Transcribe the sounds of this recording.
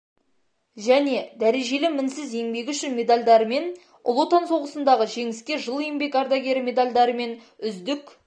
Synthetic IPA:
ʒæne̞d̪æɾe̞ʒe̞lɪmɪnsɪze̞ŋbe̞ɡʲɪʏʃɪnmʲe̞d̪alʲd̪ɑɾəme̞n | ʊ̰lˠo̞t̪ɑnso̞ʁəsənd̪ɑʁəʒe̞ŋɪskʲe̞ʒəlˠejmbe̞kɑɾd̪ɑɡʲe̞ɾɪme̞d̪alʲd̪ɑɾəme̞n | ʏzd̪ɪk

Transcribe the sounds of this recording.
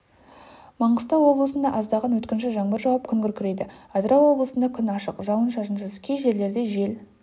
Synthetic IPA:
mɑɴʁəst̪ɑwwo̞blˠəsənd̪ɑʔɑzd̪ɑʁɑnwɵt̪kʲɪnʃɪʒɑɴbəɾʒɑwɑp̚kʲʰʏŋɡʲʏɾkʲʰɪɾe̞jd̪ɪɑd̪ɾɑwwo̞blˠəsənd̪ɑkʲʰʏnɑʃəqʒɑwənʃɑʒənʃəskʲʰejʒe̞ɾle̞ɾd̪e̞ʒe̞l

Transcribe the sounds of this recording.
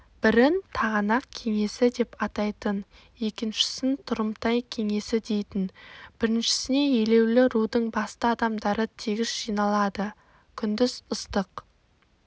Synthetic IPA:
b̥ɪɾɪnt̪ʰɑʁɑnɑqkʲʰe̞ŋe̞sɪd̪e̞pɑt̪ɑjt̪ən | e̞kʲɪnʃɪ̥sɪnt̪ʰʊɾəmt̪ɑjkʲʰe̞ŋe̞sɪd̪e̞jt̪ɪnb̥ɪɾɪnʃɪ̥sɪne̞je̞le̞wlɪɾud̪əɴbɑst̪əɑd̪ɑmd̪ɑɾət̪ʰeɡʲɪzʒ̥ijnɑlˠɑd̪ə | kʲʰʏnd̪ɪzʊst̪əq

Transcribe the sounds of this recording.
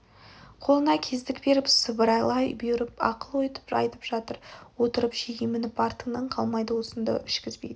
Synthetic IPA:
qʰo̞lˠənɑkʲʰe̞zd̪ɪkbe̞ɾɪpsəbəɾɑjlˠɑjbeɾɪpɑ̰qəlˠwɵjt̪ə̥pɑ̰jt̪ə̥pʒ̥ɑt̪əɾwo̞t̪əɾəpʒeɡʲemɪnɪpɑɾt̪ənəɴqʰɑlˠmɑjd̪əwosənd̪ə̰ʔʏʃkʲɪzbe̞̰jd̪ɪ

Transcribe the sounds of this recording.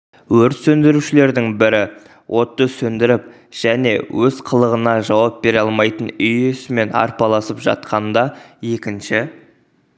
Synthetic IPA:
wɵɾt̪sɵnd̪ɪɾuʃɪle̞ɾd̪ɪŋbɪɾɪ | wʔo̞t̪ːəsɵnd̪ɪɾɪp̚ | ʒ̥æne̞̰wʔɵzqʰəlˠəʁənɑʒɑwɑp̚be̞ɾɑlˠmɑjt̪ənʏjesɪme̞nɑ̰ɾpɑlˠɑsəpʒɑ̰t̪̚qʰɑnd̪ɑje̞kʲɪnʃɪ

